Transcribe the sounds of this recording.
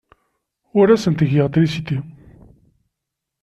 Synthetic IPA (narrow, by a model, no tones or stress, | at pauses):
ʊɾæsənt̪əʝjəʁt̪ɾisit̪i